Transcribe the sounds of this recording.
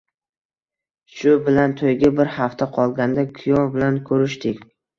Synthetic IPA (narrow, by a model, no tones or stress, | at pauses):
ʃʊbɪlant̪ʰojɡʲabɪɾhaft̪ʰaqʰɒlˠɡʲand̪akʰʊjɒbɪlankʰɵɾɪʃt̪ɪkʲ